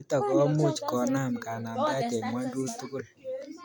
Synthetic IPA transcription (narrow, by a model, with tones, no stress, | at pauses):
tɔ˨kɔ˦mu˦˨t͡ʃkɔ˨na˦˨mka˨na˨mda˦dɛ˨mwa˦ndu˦tu˦ku˦˨l